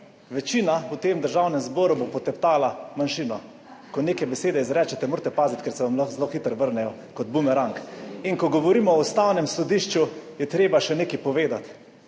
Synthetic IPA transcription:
ʋɛt͡ʃiːnaut̪eːmd̪əɾʒawnɛmzbɔːɾubopɔt̪ɛpt̪aːlamanʃiːnɔ | kɔneːkɛjbɛseːd̪ɛizɾɛːt͡ʃɛt̪ɛmoːɾt̪ɛpaːzit̪kɛɾsɛʋamlaxzloxit̪əɾʋəɾnɛjɔ | kɔd̪̚bumɛɾaŋkiŋkɔɡɔʋɔɾiːmɔust̪awnɛmsɔd̪iʃt͡ʃujɛt̪ɾeːbaʃɛneːkipɔʋeːd̪at̪

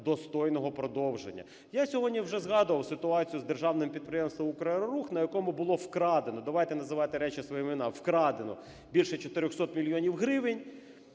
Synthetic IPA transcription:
d̪ɔst̪ɔjnɔɦɔpɾɔd̪ɔwʒḛnʲːɐ̰ | jasʲɔɦɔdʲnʲiwʒɛzɦɑd̪ʊʋɐwsɪt̪ʊɑt͡sʲijʊzd̪erʒɑwnɪmpʲid̪̚pɾejemst̪ʋɐmʊkɾɐnɔɾuxnɐjɐkɔmʊbʊlˠɔwkɾɑd̪enɔd̪ɐʋɑjt̪ɛnɐzɪʋɑt̪ɪɾɛt͡ʃɪsʋɔjɛmmenɑwkɾɑd̪enɔ̰ | bʲilʲʃɛt͡ʃɔt̪eɾʲɔxsɔt̪mʲilʲijɔnʲiwɦɾɪʋɪnʲ

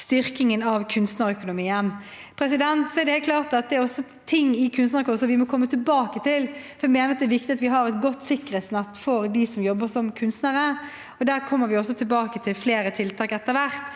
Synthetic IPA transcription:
st̪ʏɾkɪŋənɑʋkʰʉnst̪nəɾœkʊnʊmiːənpʰɾɛs̬ɪd̪ɛnt̪sɔɛʁd̪ɛhɛːkʰlɑːʁt̪ɑt̪̚d̪ɛːɾɔsːɔ | t̪ʰɪŋːɪkʰʉnst̪nəɾkʰɔsɔʋɪmɔkʰɔmːət̪ɪlbɑːkət̪ʰɪlfɔɾɛmeːnəɾɑt̪d̪ɛːɾʋɪkt̪ɪɑt̪ʋɪɦɑɾɛt̪ɡɔt̪ːsɪkːɾəsnɛt̪ːfɔɾd̪ɪsɔmjɔbːəsɔmkʰʉnst̪nəɾə | ɔd̪æːɾkʰɔmːəɾʋɪɔsːɔt̪ʰɪlbɑːkət̪ʰɪlfleːɾət̪ʰɪlt̪ʰɑːkɛt̪ːəʋæɾt̪

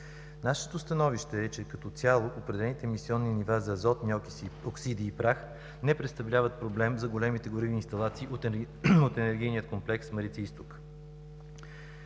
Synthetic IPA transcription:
naʃɛ̥t̪ost̪ɐnɔviʃt̪ɛːt͡ʃɛkɐt̪ɔt̪sʲjalˠoʔopɾɛd̪ɛlɛnit̪ɛːmisiɔnːinivazɐzɔt̪niɔkioksid̪iːpɾax | nɛpɾɛt̪st̪ɐvlʲavət̪̚pɾoblɛmzɐɡolɛmit̪ɛɡoɾivniːnst̪ɐlˠat̪siːo | ot̪ɛnɛɾɡijniət̪̚komplɛksməɾit̪siist̪ok

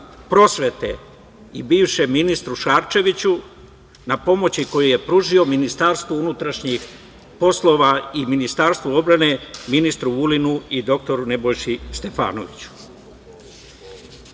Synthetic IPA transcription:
pɾo̞sʋe̞t̪e̞̰ | ibiːʋʃe̞minist̪ɾuʃaːɾt͡ʃe̞ʋit͡ɕu | napo̞mo̞t͡ɕiko̞juje̞pɾuʒio̞minist̪aːɾst̪ʋounut̪ɾaʃɲix | po̞slˠo̞ʋaiminist̪aːɾst̪ʋuo̞bɾane̞minist̪ɾuulinuid̪o̞k̚t̪o̞ɾune̞bo̞jʃist̪e̞fa̰ːno̞̰ʋit͡ɕu̥

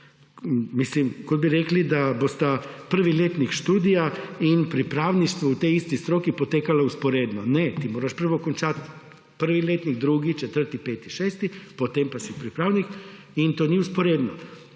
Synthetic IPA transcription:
mislimkod̪biɾeklid̪abost̪apr̩ʋilʲjet̪nikʃt̪uːd̪ijainpɾipɾaːʋniʃt̪ʋout̪eist̪ist̪ɾo̞kipot̪ekalauspoɾed̪nonet̪imo̞ːɾaʃpr̩ʋokont͡ʃat̪ | pr̩ʋilʲjet̪nikd̪ɾuːɡit͡ʃet̪r̩t̪ipe̞ːt̪iʃeːst̪ipot̪empasipɾipɾaːʋnik | int̪onieuspoɾed̪no

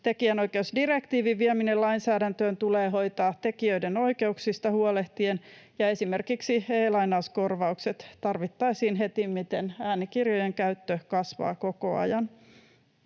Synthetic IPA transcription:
t̪ekiæno̞jkeusdirekt̪iːʋiʋiæminelɑinsæːdænt̪øːnt̪uleːɦo̞jt̪ɑːt̪ekiøideno̞ike̞uksist̪ɑhuole̞ht̪ienjɑe̞sime̞rkiksieːlɑinɑusko̞rʋɑukse̞t̪t̪ɑrʋit̪ːɑisiːnɦet̪immit̪enæːnikirjojeŋkæyt̪ːøkɑsʋɑ̰ːko̞ko̞̰ɑ̰jɑn

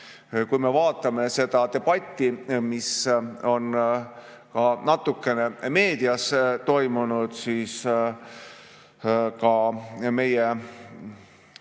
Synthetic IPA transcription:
kujme̞vɑːt̪ːˑɑme̞se̞d̪̥ɑt̪e̞b̥ɑt̪ʲːˑimiso̞n | kɑnɑt̪ːˑukːe̞ne̞me̞ːd̪iɑst̪o̞jmunud̪̥siːs | kɑme̞je

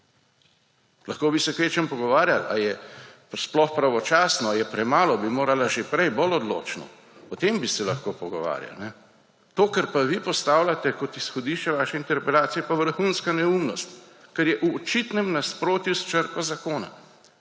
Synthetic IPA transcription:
laxkoːbisɛkeːt͡ʃɛmpɔɡɔʋaːɾjala̰jɛ | splɔxpɾaʋɔt͡ʃaːsnɔajɛpɾɛmaːlɔbimoːɾalaʒepɾɛjbɔlɔd̪lo̰ːt͡ʃnɔ̰ | ɔt̪embisɛlaxkoːpɔɡɔ̰ʋa̰ːɾja̰lnɛ | t̪oːkɛɾpaʋipɔst̪aːwlʲat̪ɛkɔt̪isxɔd̪iʃt͡ʃɛʋaːʃɛint̪ɛɾpɛlaːt̪sijɛpaʋəɾxunskanɛumnɔst̪ | kɛɾjɛʔuɔt͡ʃit̪nɛmnaspɾoːt̪just͡ʃəɾkazakoːna̰

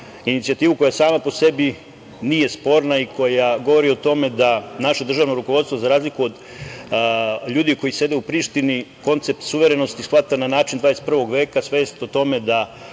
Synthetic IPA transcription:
init̪siat̪iːʋuko̞jasaːmapose̞bi | nije̞spo̞ːɾnaikʰo̞jaɡo̞ʋo̞ɾiot̪o̞me̞d̪anaʃe̞d̪r̩ʒaːʋnoɾuko̞ʋo̞d̪st̪ʋozaɾaːzlikuo̞d̪ | ʎuːd̪iko̞jise̞d̪e̞upɾiʃt̪iniko̞nt̪se̞p̚t̪suʋe̞ɾe̞no̞st̪isxʋat̪ananaːt͡ʃind̪vaːd̪eset̪prʋo̞ɡʋe̞ːkasʋe̞ːst̪ot̪o̞me̞d̪a

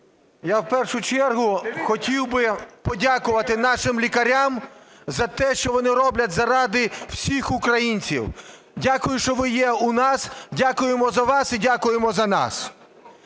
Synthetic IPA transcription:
jawpɛrʃʊt͡ʃɛrɦʊxɔtʲiwbɪpɔdʲakʊʋɐt̪ɪnɑʃɪmlʲikɐɾʲam | zɐt̪ɛʃt͡ʃɔʋɔnɪɾɔblʲɐtʲzɐɾɑd̪ɪwsʲixʊkɾɐjinʲt͡sʲḭw | dʲakʊjʊʃt͡ʃɔʋɪjɛunɑsdʲakʊjemɔzɐʋɑsidʲakʊjemɔzɐnɑ̰s

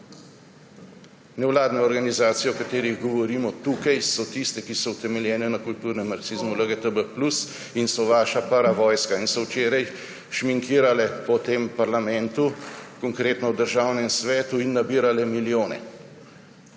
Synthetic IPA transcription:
nɛwlaːd̪nɛɔɾɡanizaːt̪sijɔwkat̪eːɾiɣɡɔʋɔɾiːmɔt̪ukajsɔt̪ist̪ɛkisɔwt̪ɛmɛljɛːnɛnakult̪uɾnɛmːaɾksiːzmuləɡət̪əbəplus | insɔʋaːʃapəɾaʋɔːjskainsɔwt͡ʃeːɾaj | ʃmiŋkiːɾalɛpɔt̪eːmpaɾlamɛnt̪ukɔŋkɾeːt̪nɔwd̪əɾʒaːwnɛmsʋɛːt̪uinːabiːɾalɛmiljoːnɛ̰

